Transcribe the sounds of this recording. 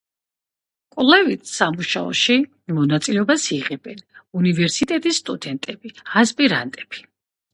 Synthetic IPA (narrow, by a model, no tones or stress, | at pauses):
kʼlɛvit̪ʰsamuʃaɔ̰ʃi | mɔnat̪sʼilɛɔbasiʁɛbɛnunivɛɾsit̪ʼɛt̪ʼisːt̪ʼud̪ɛnt̪ʼɛbiaspʼiɾa̰nt̪ʼɛb̥i̥